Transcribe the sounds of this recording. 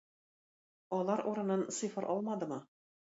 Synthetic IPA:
ɒlˠɑɾuɾɤ̆nɤnsɨfɤɾʔɒ̰lˠmɑd̪ɤ̆mɤ

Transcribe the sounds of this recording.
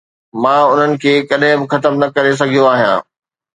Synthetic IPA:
mãːʊn̤ənɪ̆kʰeːkɐɗɦɪ̃bɪ̆xɐt̪əmnɐkɐɾes̬ɐɡʱijoaːɦijã̰ː

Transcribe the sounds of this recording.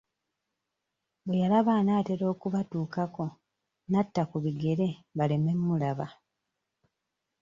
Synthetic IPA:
bwejalaβaːnaːte̞ɾo̞ːkuβatuːkako̞ | natːakuβiɡe̞ɾe̞βale̞me̞mːulaβa

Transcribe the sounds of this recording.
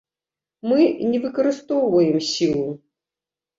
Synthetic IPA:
mɨnʲɛvɨkɐɾɨst̪ɔwvɐjɛmsʲilˠu

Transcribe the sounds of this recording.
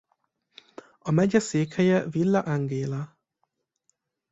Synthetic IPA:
ɒmɛɟɛseːkhɛjɛvilːaʔaŋɡeːla

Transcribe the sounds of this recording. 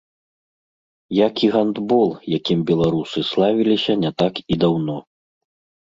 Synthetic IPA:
jakiɣand̪bɔlˠjakʲimbʲɛlˠaɾusɨslˠavʲilʲisʲɐnʲɛt̪akid̪awnɔ

